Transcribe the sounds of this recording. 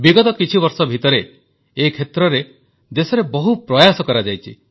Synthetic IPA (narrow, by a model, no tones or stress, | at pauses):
biɡɔt̪ɔkit͡ʃʰibɔɾsɔbʱit̪ɔɾeː | kʰet̪ɾɔɾe | d̪esɔɾebɔɦupɾɔjasɔkɔɾad͡ʒajt͡ʃʰḭ